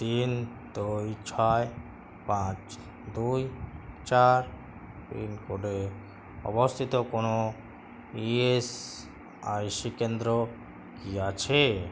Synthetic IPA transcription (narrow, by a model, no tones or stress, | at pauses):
t̪in | d̪ujt͡ʃʰaj | pãt͡ʃ | d̪ujt͡ʃaɾ | pḭnkoɖe | ɔ̰bɔst̪ʰit̪ɔkonɔ | ies | ajsikend̪ɾɔ | kijat͡ʃʰe